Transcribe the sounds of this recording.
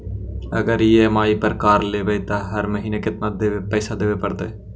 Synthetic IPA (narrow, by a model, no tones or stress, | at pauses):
ə̰ɡəɾɪjemaːipəɾkaːɾleːʋet̪ɐɦɐɾməɦiːnekɪt̪nad̪eepɛːsad̪eːʋepɐɽt̪e